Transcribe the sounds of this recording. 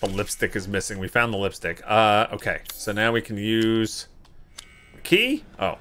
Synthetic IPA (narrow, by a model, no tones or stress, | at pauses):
əlɪpstɨkɨzmɪsɪ̃ŋwifãʊ̃nðəlɪpstɨkʌo̰ʊkʰeɪsoʊnaʊwikʰn̩jʉz̥ | kʰiʔo̰ʊ